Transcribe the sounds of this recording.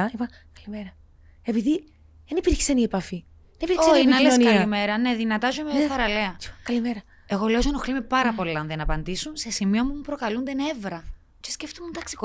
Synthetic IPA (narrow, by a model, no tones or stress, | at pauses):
ipɐ | kɐlimeɾɐ | e̞piði | ðenipiɾçi̥seniepɐfi | eniiɾçsoinɐlesnkiɐlime̞ɾɐne̞ðinɐt̪ɐzomeoθɐɾɐleɐkɐlimeɾɐ | e̞ɣo̞lezonoxlimepɐɾɐpo̞lilɐnðiɐnɐpɐnd̪isunse̞simio̞mumupɾo̞kɐlund̪ene̞vɾɐ | cesceft̪umund̪ɐksi̥ko